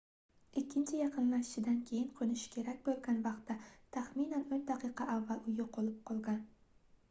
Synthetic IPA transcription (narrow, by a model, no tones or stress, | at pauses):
ɪkʲʰːɪnt͡ʃʰɪjɑqɨnlaʃɪʃɪd̪ankʲʰe̞jɪnqʰonɪʃɪ̥kʲʰe̞ɾak̚ʲbolˠɡʲanvɑqt̪ʰːat̪ʰaχminanond̪ɑqʰɨqʰɑʔavːalʊjɪqʰolˠɪp̚qʰɒlˠɡʲan